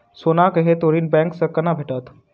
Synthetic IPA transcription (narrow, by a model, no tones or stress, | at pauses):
sonakəɦet̪oɾiːnbɛ̃ŋksəkənabʱeʈat̪